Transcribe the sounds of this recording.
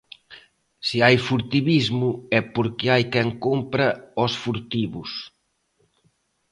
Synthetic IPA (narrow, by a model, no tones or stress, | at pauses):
siajfuɾt̪iβizmʊɛpoɾkɪajkɛŋkompɾɐɔsfuɾt̪iβʊs